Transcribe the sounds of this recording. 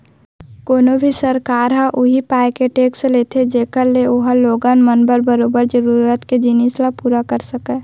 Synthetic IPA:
koːnobʱisəɾkaːɾɦaʔʊɦipaːekeʈeːkslet̪ʰed͡ʒeːkəɾleʊɦaloːɡanmənbəɾbəɾoːbəɾd͡ʒəɾuːɾət̪ked͡ʒiniːslapuːɾakəɾsəkɛ

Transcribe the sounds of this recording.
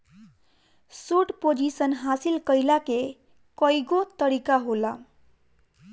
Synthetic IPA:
suʈpod͡ʒisʌnɦasilkʌjlake | kʌjɡot̪ʌɾikaɦola

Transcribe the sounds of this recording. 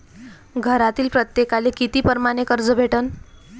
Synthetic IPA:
ɡʱəɾat̪iːlpɾət̪jekalekit̪iːpəɾmaɽ̃ekəɾd͡zəbʱeʈən

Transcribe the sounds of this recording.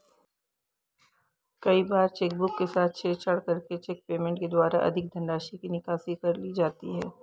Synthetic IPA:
kɐibaːɾt͡ʃeːk̚bʊkːesaːt̪̚ʰt͡ʃʰeːt͡ʃʰɐɽkɐɾket͡ʃeːk̚peːmẽɳʈked̪waːɾa̰ʔɐ̰d̪ʱɪk̚d̪ʱɐ̃ɳɖaːʃikinɪkaːsikɐɾliːd͡ʒaːt̪iɦɛː

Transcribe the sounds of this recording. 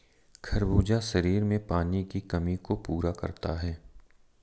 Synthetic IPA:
kʰɐɾbuːd͡ʒaʃɐɾiːɾmẽpaːnikikɐmikopuːɾakɐ̰ɾt̪aɦɛː

